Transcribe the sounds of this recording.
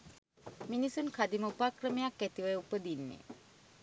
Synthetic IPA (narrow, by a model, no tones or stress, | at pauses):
minisunkʰad̪iməupaːkrəmejakːæt̪iʋəjəupəd̪inːḛ